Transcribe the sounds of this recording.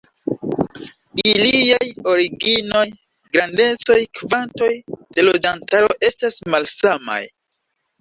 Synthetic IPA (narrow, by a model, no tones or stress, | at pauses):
iliajo̞ɾiɡino̞j | ɡɾande̞t͡so̞jkvanto̞jd̥e̞lo̞d͡ʒantaɾo̞ʔe̞stasmalsama̰j